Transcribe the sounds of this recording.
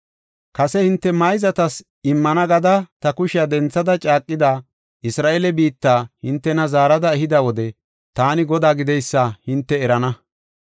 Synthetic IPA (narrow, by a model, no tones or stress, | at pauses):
kɐsɛhɪnt̪ːɛmɐjzɐt̪ɐs | ɪmːɐnɐɡɐd̪ɐt̪ɐkʊʃɪjad̪ɛnt͡sːɐd̪ɐt͡ʃʼaːkʼːɪd̪aː | ʔɪsɾaːʔelɛbiːt̪ːaːhɪnt̪ːɛnɐzaːɾɐd̪ɐɛɦɪd̪ɐwɔd̪ɛ | t̪aːnɪɡɔd̪aːɡɪd̪ɛjsːɐhɪnt̪ːɛɛɾɐnɐ